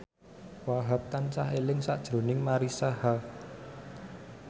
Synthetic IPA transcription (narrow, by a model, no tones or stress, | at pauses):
waɦap̚t̪ansa̰helɪŋsaʔd̥ʒ̥ɾo̤nɪŋmaɾisaha